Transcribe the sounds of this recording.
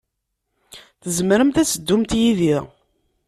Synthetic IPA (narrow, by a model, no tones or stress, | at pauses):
θəzmɾəmt̪æsəd̪ːumt̪jiðiʁ